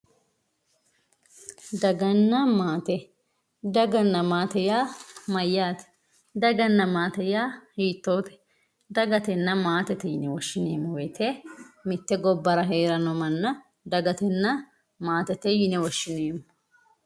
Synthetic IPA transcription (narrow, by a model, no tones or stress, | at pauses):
d̪ɐɡɐnːɐmaːt̪ɛ | d̪ɐɡɐnːɐmaːt̪ɛjaːmɐjːaːt̪ɛ̥ | d̪ɐɡɐnːɐmaːt̪ɛjaːhiːt̪ːoːt̪ɛ̥ | d̪ɐɡɐt̪ɛnːɐmaːt̪ɛt̪ɛjɪnɛwɔʃːɪneːmwet̪ʰemɪt̪ːɛɡɔbːɐɾɐɦeːɾɐnɔmɐnːɐ | d̪ɐɡɐt̪ɛnːɐ | maːt̪ɛt̪ɛjɪnɛwɔʃːɪneːmʊ